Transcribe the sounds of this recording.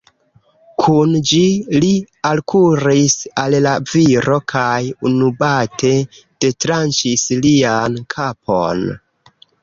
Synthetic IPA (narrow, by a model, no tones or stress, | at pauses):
kʰund͡ʒili | alkʰuɾisallaviɾo̞kʰajunubatʰe̞ | d̥e̞tɾant͡ʃisliankʰapʰo̞̰n